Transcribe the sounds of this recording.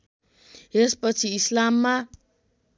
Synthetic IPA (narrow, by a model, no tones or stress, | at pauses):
espʌt͡sʰiislamːa